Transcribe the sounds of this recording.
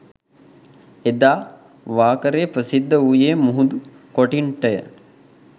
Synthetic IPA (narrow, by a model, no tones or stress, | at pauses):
ed̪aː | ʋaːkəɾepɾəsid̪ːəujeːmuɦud̪u | koʈiɳʈəjə̰